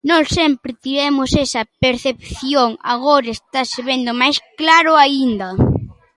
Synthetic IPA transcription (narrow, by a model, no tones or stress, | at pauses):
nɔssempɾɪt̪iβɛmʊsɛsɐpeɾθep̚θjoŋa̰ɣoɾɐest̪aseβend̪ʊmajsklaɾʊaind̪ɐ